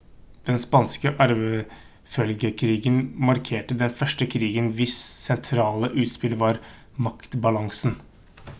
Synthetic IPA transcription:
d̪̥ɛnspɑnskəʔɑɾʋə | fœlɡəkʰɾiːɡənmɑɾkʰeːʈəd̪ɛnfœʂʈəkʰɾiːɡənʋɪssɛnt̪ʰɾɑːləʔʉːt̪spɪlʋɑɾ | mɑkt̪bɑlɑŋsn̩

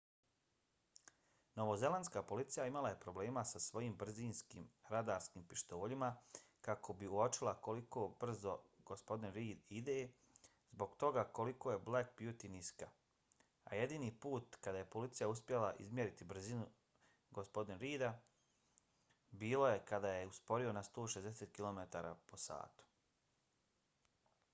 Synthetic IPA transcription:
no̞ʋo̞ze̞lanskaːpo̞lit̪sijaimalaje̞pɾo̞ble̞ːmasasʋo̞jiːmbr̩ziːnskḭːmɾad̪aːɾskiːmpiʃt̪o̞ːʎimakakʰo̞biuot͡ʃilˠako̞likoːbr̩zo̞ɡ̥ospo̞d̪inɾiːd̪id̪eː | zbo̞ɡt̪o̞ɡako̞likoːje̞blak̚bjut̪iniska | a̰jed̪iːniːpuːt̪kad̪aːje̞po̞lit̪sijauspje̞laʔḭzmʲje̞ɾit̪ibr̩zinu | ɡospo̞d̪inɾiːd̪a | biːlˠo̞je̞kad̪aːjeuspo̞ɾio̞nast̪oːʃezd̪eset̪̚kilo̞met̪aːɾa̰po̞sa̰ːt̪u̥

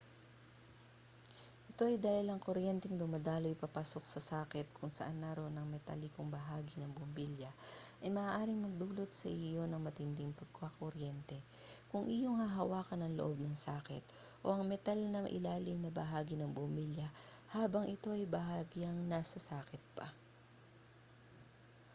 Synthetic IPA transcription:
ʔɛt̪o̞ʔɐjd̪aːhɪlɐŋkoɾjɛnt̪ɛŋd̪ʊmɐd̪aːlojpɐpaːso̞k̚sɐsaːkɪt̪̚kʰʊŋsɐʔanːaɾo̞nɐŋmɛt̪ɐ̰likoŋbɐɦaːɡɪnɐŋbʊmbiljɐʔɐjmɐʔaːʔaːɾɪŋmɐɡ̚d̪uːlo̞t̪̚sɐʔɪjo̞nɐŋmɐt̪ɪnd̪ɪŋpɐɡ̚kakoɾjɛnt̪ɛ | kʊŋʔɪjoŋhɐɦɐwaːkɐnɐŋloʔob̚nɐŋsaːkɪt̪̚ | ʔo̞ʔɐŋmɛt̪alnɐʔɪ̰laːlɪmnɐbɐɦaːɡɪnɐŋbʊmiljɐhaːbɐŋʔɪt̪o̞ʔɐjbɐhaːɡiɐŋnasɐsaːkɪt̪̚pɐ̰

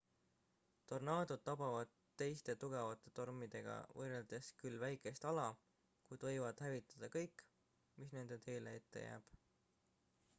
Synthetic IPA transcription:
t̪o̞rnɑːd̪̥od̪̥̚t̪ɑpɑvɑd̪̥ | t̪e̞jst̪e̞t̪uɡ̥evɑt̪ːˑe̞t̪o̞rmid̪̥e̞ɡ̥ɑ̰vɤreld̪̥e̞skylvæjkˑe̞st̪ɑlɑ | kujt̪vɤ̞jvɑd̪̥hævit̪ːˑɑ̥d̪̥ɑkɤjkːˑ | misne̞nd̪e̞t̪e̞jlee̞t̪ːe̞̰jæ̰ːb̥

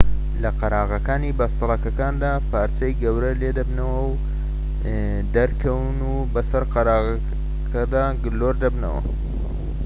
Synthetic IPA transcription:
lɐqɐɾaːɣɐkaːniːbɐst̪ɨlˠɐkɐkaːnd̪aːpaːɾt͡ʃɐjɡɐwɾɐleːd̪ɐbnɐwɐw | d̪ɐɾkʰɐwnuːbɐsɐɾqɐɾaːʁ | kʰɐd̪aːɡɨloːɾd̪ɐbnɐ̰wɐ̰

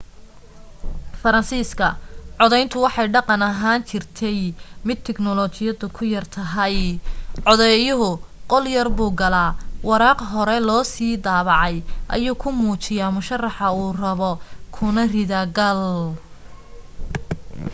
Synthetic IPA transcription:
fɐɾɐnsiːskʰɐʕɔðɛjnt̪ʰʊwɑħɑjɖɑqɑnɐɦaːnt͡ʃʰɪrt̪ʰɛjmɪd̪̚t̪ʰɛknɔlɔt͡ʃɪjɐðʊkʰʊjɐrt̪ʰɐɦɐjʕɔðɛjʊɦʊqɔljɐrbuːɡɐlaːwɑɾɑːqɦɔɾɛlɔːsiːd̪ɑːβɑʕɑjʔɐ̰juːkʰʊmuːt͡ʃɪjaːmʊʃɐrːɑħɐuːrɐβɔkʰʊnɐrɪðɐɡɐl

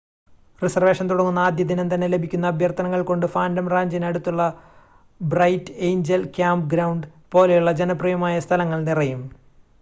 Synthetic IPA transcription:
risɐrʋe̞ːʂɐnt̪uɽɐŋːunːɐaːd̪jɐd̪inent̪ɐnːe̞le̞bʱikʲːunːɐːbʱjɐrt̪ɐnɐŋːɐɭko̞ɳɖɨfaːndɐmraːɲd͡ʑɐnɐɽut̪ːuɭːɐ | brɐjtːejɲd͡ʑɐlkʲaːmp̚ɡɾɐwɳɖ | po̞ːlejuɭːɐd͡ʑenɐprijɐmaːjɐst̪ʰɐlɐŋːɐɭnirɐjum

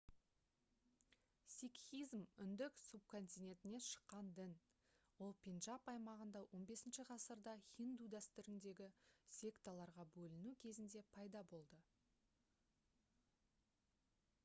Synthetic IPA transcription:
sʲikizmʏnd̪ɪksub̚kʰo̞nt̪ijnʲe̞t̪ɪne̞ʃə̥qːɑnd̪ɪn | wo̞lˠpʲenʒɑpɑjmɑʁənd̪ɑwʔo̞nbe̞sɪnʃɪʁɑsəɾd̪ɑχind̪ud̪æst̪ʏɾɪŋd̪e̞ɡʲɪsʲe̞kt̪alˠɑɾʁɑbɵlɪnukʲʰe̞zɪnd̪e̞pʰɑjd̪ɑbo̞lˠd̪ə

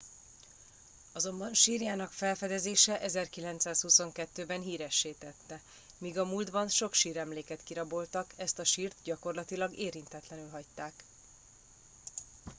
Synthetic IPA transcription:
ɒzo̞mbɒnʃiːɾjaːnɒkfɛlfɛd̪ɛzeːʃɛʔɛzɛrkilɛnt̪saːshuso̞ŋkɛt̪ːøːbɛnɦiːɾɛʃːeːt̪ɛt̪ːɛ | miːɡɒmuːld̪bɒnʃo̞kʃiːɾɛmleːkɛt̪kiɾɒbo̞lt̪ɒkɛst̪ɒʃiːrt̪ɟɒko̞rlɒt̪ilɒɡeːɾint̪ɛt̪lɛnylɦɒct̪ːaːk

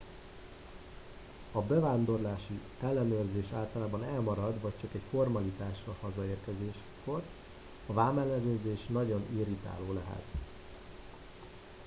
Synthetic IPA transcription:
ɒbɛvaːnd̪o̞rlaːʃi | ɛlːɛnøːrzeːʃaːlt̪ɒlaːbɒnɛlmɒɾɒd̪vɒc̚t͡ʃɒkɛcfo̞rmɒlit̪aːʃːɒlhɒzɒeːrkɛzeːʃ | ko̞r | ɒvaːmːɛlːɛnøːrzeːʃnɒɟo̞niɾit̪a̰ːloːlɛɦɛ̰t̪

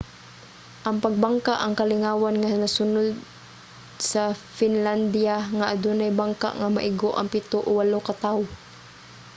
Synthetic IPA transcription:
ʔɐŋpɐɡ̚baŋkaʔɐŋkɐlɪŋaːwanŋanasʊnʊd̪̚ | sɐfɪnland̪iaŋaʔad̪ʊnajbaŋka̰ʔŋamaʔɪɡoʔɐŋpɪt̪oʔowalokat̪awʊ

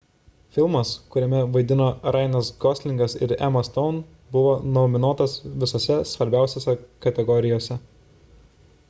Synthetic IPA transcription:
fʲɪlˠmɐskʊɾʲɛmʲɛʋɐɪd̪ʲɪnoːɾɑˑɪnɐsɡɔsʲlʲɪŋɡɐsɪ̰ɾɛ̰mɐst̪ɔʊn | bʊʋoːnoːmʲɪnoːt̪ɐsʋʲɪsoːsʲɛsʋɐɾʲbʲæˑʊsʲeːsʲɛkɐt̪ʲɛɡɔɾʲɪjoːsʲɛ

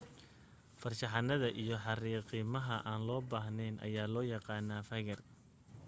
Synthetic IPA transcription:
fɐrʃɑħɑnɐðɐʔijɞħɑriːqimɐɦɐʔaːnlɔːbaːɦnɛjnʔɐ̰jaːlɔːjɑqɑːnaːfɐɣɐr

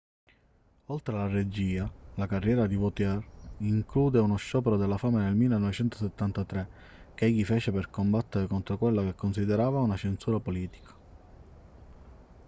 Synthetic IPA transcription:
olt̪ɾealared͡ʒiːalakarːjɛːɾad̪ivot̪jɛriŋkluːd̪eunoʃːɔːpeɾod̪elːafaːmenelmilːenɔvet͡ʃɛnt̪o̥set̪ːant̪at̪ɾe | k̟eɛʎːifeːt͡ʃeperkombat̪ːeɾekont̪ɾokwelːakekːonsid̪eɾaːvaunat͡ʃensuːɾapoliːt̪i̥kʰḁ

